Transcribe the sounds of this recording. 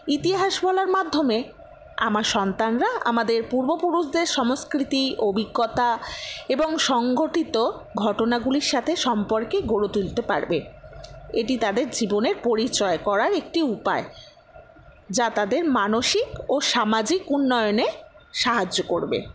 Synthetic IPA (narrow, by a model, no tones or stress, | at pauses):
it̪iɦaʃbʱɔlaɾmad̪ʱːome | a̰maɾʃɔnt̪anɾaa̰mad̪eɾpuɾbopuɾuʃd̪eɾʃɔmoskɾit̪iʔobʱiɡːɔt̪aeboŋʃɔŋɡoʈit̪o | ɡʱɔʈonaɡuliɾʃat̪ʰeʃɔmpoɾkeɡoɽot̪ult̪epa̰ɾbe | eʈit̪ad̪eɾd͡ʑiboneɾpoɾit͡ɕɔekɔɾaɾek̚ʈiupa̰e | d͡ʑat̪ad̪eɾmanoʃikoʃamad͡ʑikunːɔjoneʃaɦad͡ʑokoɾbḛ